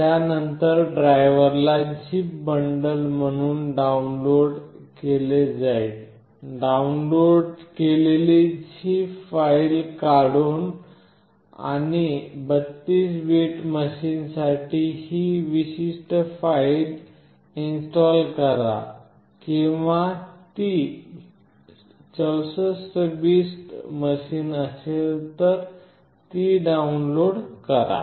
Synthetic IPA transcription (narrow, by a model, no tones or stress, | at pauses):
janənt̪əɾɖɾajʋəɾlad͡ʑipbəɳɖəlm̤əɽ̃uːnɖaunloɽkeled͡zajt̪ | ɖaunloɖkelelid͡ʑipfailkaɽuːn | a̰nibət̪ːiːsʋeʈməɕiːnsaʈihiʋiɕisʈəfail | insʈɔlkəɾa̰ | kĩʋat̪i | t͡səwsəsəbisʈməɕiːnəselt̪əɾ | t̪iɖaunloɽkəɾa̰